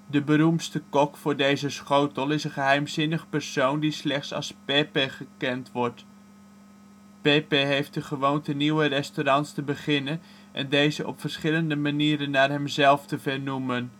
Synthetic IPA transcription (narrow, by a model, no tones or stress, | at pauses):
dəbəɾumtstəkɔkfʊːɹdejzəsχowtəlˠɪsənχəɦɛjmzɪnəχəpərsowndislɛχtsɑ̰lˠspeːpeχəkɛntʋɔɹt | peːpeɦejft̚dəχəʋowntəniwərɛstoɾɑntstəbəχɪnən | ʔɛ̰ndejzəʔɔ̰pfərsχɪləndəmaniːɾənːaːrɦɛmzɛlˠftəvɛrnumən